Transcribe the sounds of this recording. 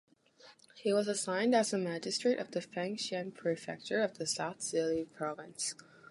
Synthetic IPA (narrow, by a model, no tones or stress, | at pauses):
hiwʌzəsãɪ̃ndɨzəmæd͡ʒɨstɹ̥eɪɾʔʌvðɨfæ̃ŋkʃɨ̃npʰɹ̥ifɛ̰k̚t͡ʃə˞ʌvðɨsaʊθsɪlˠipʰɹ̥ɑvɨ̃ns